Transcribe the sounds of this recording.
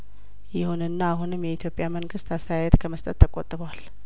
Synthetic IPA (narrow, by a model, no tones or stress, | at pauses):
jɪhunɨnːaːɦunɨmjɛit̪ʰjo̞pʼjaməŋɡɨst̪ast̪ʰəjajɛt̪kʰəməst̪ʼət̪ːəkʼot̪ʼɨβwal